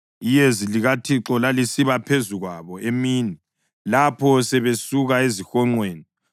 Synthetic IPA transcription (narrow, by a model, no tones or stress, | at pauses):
ijeziliɣatʰiǁɔlalisiβapʰezuɣwaβɔʔemiːni | lapʰɔsɛβesuɣaezixɔŋ͡ǃweːni